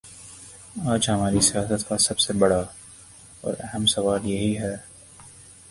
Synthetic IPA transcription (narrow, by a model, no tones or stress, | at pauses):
aːd͡ʒɦɐmaːɾisijaːsət̪kasɐbsebɐɽa | ɔ̰ːɾɛ̰ɦɛmsɐʋaːljeɦiɦɛː